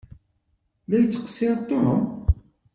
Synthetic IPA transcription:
læjət͡sːə̥qə̥sːɪɾˤt̪ˤːohəm

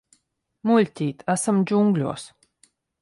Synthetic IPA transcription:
mulʲt̪ʲiːt̪ʰasəmd͡ʒuŋɡlʲo̰ːs

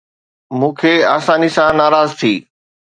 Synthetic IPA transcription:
mũːkʰeːaːsaːnisãnaːɾaːzt̪ʰiː

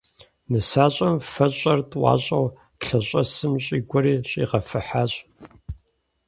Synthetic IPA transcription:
nɨsaːɕʼɐmfɐɕʼɐrtʼwɑ̰ːɕʼɐw | ɬɐɕʼɐsɨmɕʼiːɡʷɔɾiːɕʼḭːʁɐfɨħaːɕʼ

